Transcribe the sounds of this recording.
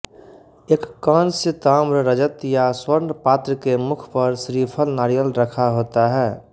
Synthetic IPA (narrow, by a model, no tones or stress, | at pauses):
eːkːãnsɪt̪aːmɾəɾəd͡ʒət̪jaswəɾnpaːt̪ɾəkemʊkʰpəɾsɾipʰəlnaːɾijəlɾəkʰaɦoːt̪aɦɛː